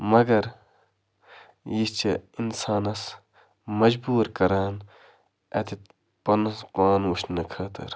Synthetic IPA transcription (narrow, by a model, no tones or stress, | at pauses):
mɐɡɐɾ | jist͡ʃɐinsaːnɐs | mɐd͡ʒbuːɾkɐɾaːn | ɐ̰t̪it̪ | pɐnspaːnwuʃnɐkʰɐːt̪ʰɐ̰ɾ